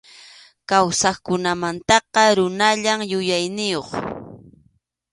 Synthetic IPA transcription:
kawsɑχkʊnamant̪ɑqɑɾʊnaʎaŋjʊjajnɪjoχ

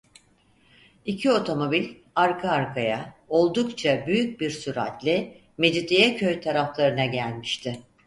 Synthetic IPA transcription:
icʰio̞t̪ʰo̞mo̞bilʲ | aɾkʰaːɾkʰajao̞lˠd̪ukt͡ʃʰabyjyc̚biɾsyɾa̰t̪lʲɪ | med͡ʒit̪ijɛcʰøjt̪ʰaɾaflˠaɾɯnaɟælʲmiʃt̪ʰɪ

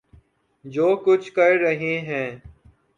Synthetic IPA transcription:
d͡ʒoːkʊt͡ʃʰkəɾɾəɦẽːɦɛ̃ː

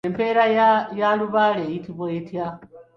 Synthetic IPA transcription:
empeɾajaluβalejitiβweetʰja

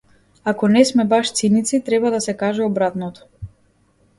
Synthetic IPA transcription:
akɔnɛsmɛbaʃt̪sinit̪sit̪ɾɛbad̪asɛkaʒɛɔbɾat̪nɔt̪ɔ̥

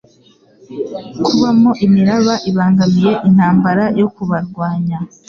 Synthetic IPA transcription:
kuβamo̞ʔimiɾaβaʔiβaːŋɡamije̞ʔin̥haːmbaɾajo̞kuβaɾɡwaːɲa

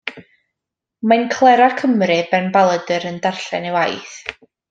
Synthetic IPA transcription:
mankʰlˠɛɾakʰəmrɨbɛnbalˠədəɾəndarɬɛnewajθ

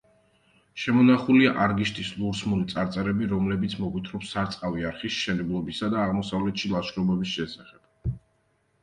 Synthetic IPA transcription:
ʃɛmɔnaχuliaʔaɾɡiʃt̪ʰʼislˠuɾsmulit̪sʼaɾt̪sʼɛɾɛbiɾɔmlɛbit̪sʰmɔɡwit̪ʰɾɔpsaɾt̪sʼqʼaviaɾχisʃɛnɛblˠɔbisad̪aːʁmɔsavlɛt̪ʃilˠaʃɾɔbɛbisʃɛsaχɛb̥

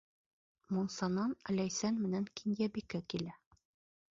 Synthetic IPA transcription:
munsɑnɑnælæjsænmɘ̆næŋkinjæbikɘkilæ

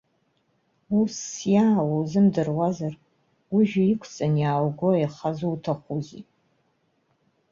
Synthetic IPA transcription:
usːjaːwawzɨmdɨrwazar | uʒᶣʊikʷʰt͡sʼanjaːwɡʷojχazuwtʰaχʷuzi

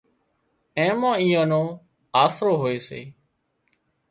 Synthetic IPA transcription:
ẽːmãːiːãːnõː | aːsɾoːɦoːeːsḛː

